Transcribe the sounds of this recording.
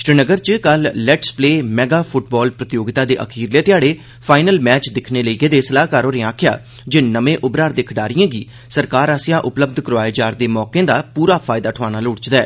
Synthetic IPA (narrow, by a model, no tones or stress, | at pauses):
ʃɾənəɡəɾt͡ʃəkəlːɛːʈspleːmɛːɡaːpʰʊʈ̚bɔːlpɾət̪ɪjoːɡɪt̪aːd̪eːʔə̰kʰiːɾleːt̪ɪjaːɽeː | pʰaːɪnəlmɛːt͡ʃd̪ɪkʰneːləiːɡeːd̪eːsəlaːɦkaːɾoːɾẽːãːkʰja̰ː | d͡ʒeːnəmẽːʔʊbɾaːɾd̪eːkʰɖaːɾɪjãːɡiː | səɾkaːɾaːsɪjãːʔʊpləb̚d̪kəɾʋaːeːd͡ʒaːɾd̪eːmɔːkẽːd̪aːpuːɾaːpʰaːɪd̪aːʈʰʊʋaːnaːlʊːɽt͡ʃd̪ɛː